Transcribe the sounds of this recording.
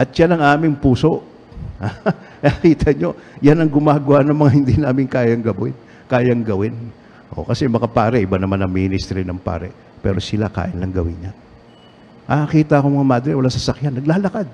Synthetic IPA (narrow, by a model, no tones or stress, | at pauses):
ʔɐt̪̚ʃanɐŋʔaːmɪŋpuːso̞ʔ | ha | kɐkiːt̪ʰɐɲo̞janɐŋɡʊmaːɡʊwaʔnɐŋmɐŋahɪnd̪inaːmɪŋkaːjɐŋɡɐbwɪn | kaːjɐŋɡɐwɪn | ʔo̞̰kɐsɛmɐkɐpaːɾɛʔɪbanɐmanɐŋmiːnɪst̪ɾinɐŋpa̰ːɾɛ̰ | pɛ̰ːɾo̞sɪlaka̰ːʔɪnlɐŋɡɐwɪnɲa | ɐkiːt̪ɐʔɐkomɐŋamaːd̪ɾɛwɐlasɐsɐkjanːɐɡ̚laːlɐkad̪̚